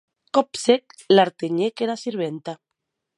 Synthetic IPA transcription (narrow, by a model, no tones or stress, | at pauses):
kopsek̚ | laɾt̪eɲekeɾasiɾβent̪a